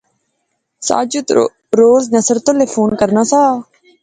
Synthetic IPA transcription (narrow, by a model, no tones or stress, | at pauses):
sa̰ːd͡ʒət̪ | ɾoːznəsəɾt̪õːleːfʰoːnkəɾnaːsaː